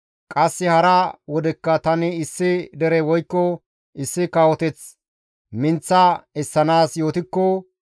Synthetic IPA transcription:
kʼɐsːɪhɐɾɐwɔd̪ɛkːɐt̪ɐnɪɪsːɪd̪ɛɾɛwɔjkːɔ | ɪsːɪkawɔt̪ɛt͡s | mɪnt͡sːɐɛsːɐnaːsjo̞ːt̪ɪkːɔ

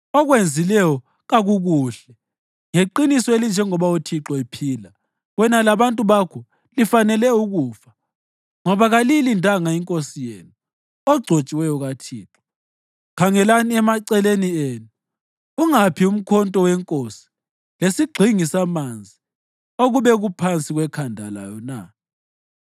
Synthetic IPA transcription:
ɔɣwend͡zʱilɛjɔ | ɣaɣuɣuːɬɛ | ŋeǃinisɔelind͡ʒʱɛŋɔβautʰiǁɔipʰiːla | ɣwɛnalaβantʼuβakʰɔ | lifanɛlɛuɣuːfḁ | ŋɔβaɣalilintʼaŋaiŋkʼosijḛːnu | ɔɡ͡ǀʱot͡ʃʼiwɛjɔɣatʰiːǁɔ̥ | kʰaŋɛlaniɛmaǀɛlenieːnu | uŋapʰium̩kʰɔntʼɔwɛŋkʼosi̥ | lesiɡ͡ǃʱiŋisamand͡zʱi | oɣuβɛɣupʰant͡sʼiɣwɛkʰandʱala̰jɔna̰

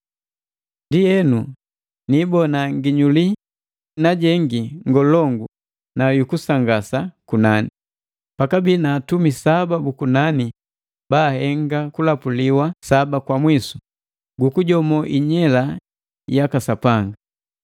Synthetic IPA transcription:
ndijɛnu | nibɔnaŋɡiɲuli | naɟɛŋɡiŋɡɔlɔŋɡu | najukusaŋɡasakunani | pakabinaːtumisababukunani | baːhɛŋɡakulapuliwasabakwamwisu̥ | ɡukuɟɔmɔʔiɲɛla | jakasapaŋɡa

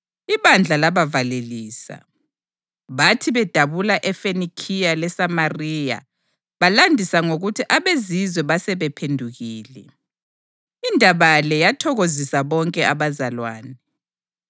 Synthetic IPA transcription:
iβand͡ɮʱalaβavaleliːsa̰ | βatʰiβɛd̥ʱaβulaʔɛfenikʰijalɛsamariːja̰ | βalandʱisaŋoɣutʰiʔaβezizwɛβasɛβɛpʰendʱuɣiːlɛ | indʱaβalɛjatʰɔɣozisaβɔŋkʼɛaβazalwa̰ːnɛ

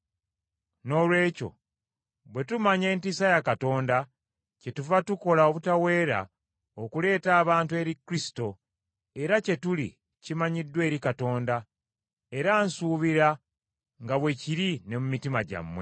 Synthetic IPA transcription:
no̞ːlwe̞ːco̞̰ | βwe̞tumaɲe̞ːntisajakato̞ːnda | ce̞tuvatuko̞laoβutawe̞ːɾa̰ | okule̞ːtaːβaːntue̞ːɾikɾisi̥to̞ | e̞ɾace̞tulḭ | cimaɲidːwe̞ːɾikato̞ːnda | e̞ɾansuːβiɾa | ŋɡaβwe̞ciɾine̞mumitimaɟa̰mːwe

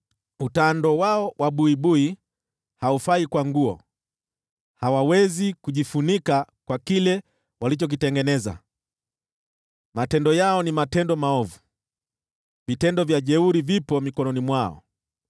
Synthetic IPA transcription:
utandɔwaɔwʔaɓuiɓui | haufaikwaŋɡuɔ | hawawɛzikuʄifunikakwakilɛ | walit͡ʃɔk̬itɛŋɡɛnɛza̰ | matɛndɔjaɔnimatɛndɔmaɔvu | vitɛndɔvjaʄɛuɾivipɔmikɔnɔnimwaɔ̰

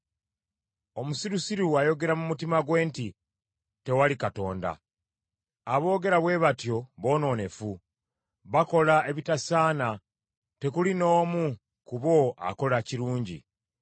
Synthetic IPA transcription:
o̞musiɾusiɾuwajo̞ɡe̞ɾamumutimaɡwe̞ːnti | te̞walikato̞̰ːnda̰ | βo̞ːɡe̞ɾaβwe̞ːβatjo̞βo̞ːno̞ːne̞fu | βako̞lae̞βitasaːna | te̞kulino̞ːmu | kuβo̞ʔa̰ko̞laciɾuːɲɟḭ

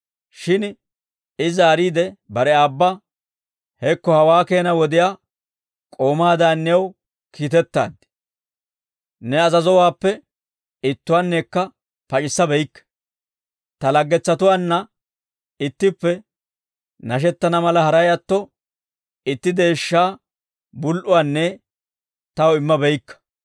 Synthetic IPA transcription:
ʃɪn | ɪzaːɾiːd̪ɛbɐɾɛaːbːɐ | hɛkːɔhɐwaːke̞ːnɐwɔd̪ɪjaː | kʼo̞ːmaːd̪aːnːɛw | kʰiːt̪ɛt̪ːa̰ːd̪ɪ̥ | nɛɐzɐzɔwaːpːɛ | ɪt̪ːʊwaːnːeːkːɐ | pɐt͡ʃʼɪsːɐbɛjkːɐ̥ | t̪ɐlɐɡːɛt͡sːɐt̪ʊwaːnːɐ | ɪt̪ːɪpːɛ | nɐʃ̬ɛt̪ːɐnɐmɐlɐhɐɾɐjɐt̪ːɔ | ɪt̪ːɪd̪e̞ːʃːaː | bʊlʔʊwaːnːɛ | t̪ɐwɪmːɐbɛjkːɐ̥

